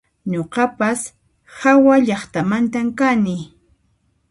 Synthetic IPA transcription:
ɲoqɑpas | hawaʎɑχt̪amant̪amkanɪ

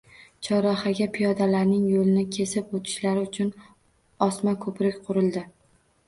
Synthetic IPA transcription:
t͡ʃʰɒɾɒhaɡʲapʰijɒd̪alaɾnɪŋjolɪnɪkʲʰe̞sɪpot̪ʰɪ̥ʃlaɾɪʊt͡ʃʰʊn | ɒsmakʰɵpʰɾɪkʲqʰʊɾɪld̪ɪ

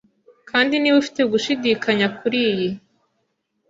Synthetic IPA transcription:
kʰaːndiniwufi̥te̞ɡuʃidiːkʰaɲakʰuɾiːji

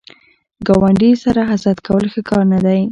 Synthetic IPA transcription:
ɡɑwaɳɖisaɾaɦasat̪kawəlxəkɑɾnad̪aj

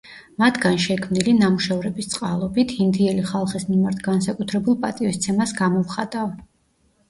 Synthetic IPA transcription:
mat̪ʰɡanʃɛkʰmnilinamuʃavɾɛbist̪sʼqʼalˠɔbit̪ʰhind̪iɛliχalˠχismimaɾt̪ʰɡansakʼut̪ʰɾɛbulˠpʼat̪ʼivist̪sʰɛmasɡamɔvχat̪ʼav

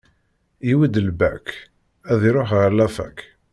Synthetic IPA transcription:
iwid̪əlbæk | æðiɾoħʁəɾlæfæ̰k

